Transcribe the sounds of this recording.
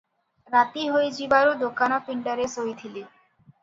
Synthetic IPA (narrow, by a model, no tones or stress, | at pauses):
ɾat̪iɦojd͡ʑibaɾod̪okanapiɳʈaɾesojt̪ʰile